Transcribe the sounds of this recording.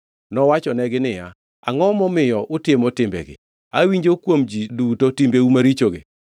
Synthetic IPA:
nɔwat͡ʃɔnɛɡɪnɪja̰ | a̰ŋɔmɔmɪjɔʔʊtɪmotɪmbɛ̰ɡɪ̰ | awiɲd͡ʒokwomd͡ʒidutotimbeumaɾit͡ʃoɡɪ̰

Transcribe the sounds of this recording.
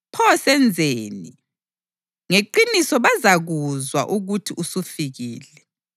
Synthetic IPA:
pʰɔsɛnd͡zʱeːni | ŋeǃinisɔβazaɣuzwa̰ʔuɣutʰiusufiɣiːlɛ

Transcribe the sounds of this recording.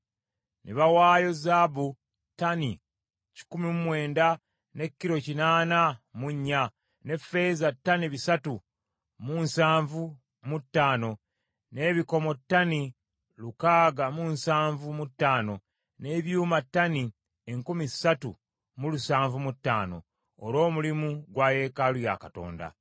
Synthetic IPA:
nḭβawaːjo̞zabu | tani | ci̥kumimumwe̞ːnda | ne̞kːiɾo̞cinaːnamuɲːa | ne̞fe̞zatːaniβisatu | munsaːɱvu | mutːaːno̞ | ne̞ːβiko̞mo̞tːani | lukaːɡamunsaːɱvumutːaːno̞ | ne̞βjuːmatːani | eŋkumisatu | mulusaːɱvumutːa̰ːno̞̰ː | ɾo̞ːmulimuɡwaːje̞ːkaluja̰kato̞̰ːnda̰

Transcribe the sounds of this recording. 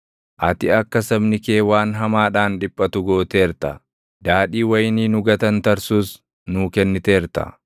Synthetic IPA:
ʔɐt̪ɪɐkːɐsɐbnɪke̞ːwaːnɦɐmaːᶑaːnᶑɪpʼːɐt̪ʊɡo̞ːt̪e̞ːɾt̪ɐ̰ | d̪aːᶑiːwɐjniːnʊɡɐt̪ɐnt̪ɐɾsuːs | nuːkɛnːɪt̪e̞ːɾt̪ɐ̰

